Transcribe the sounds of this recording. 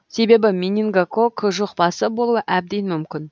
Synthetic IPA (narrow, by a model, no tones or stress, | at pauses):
se̞be̞bɪmʲinʲiŋɡakʰokʰʒoqpɑsəbo̞lˠuwəʔæb̚d̪enmʏmkʲɪn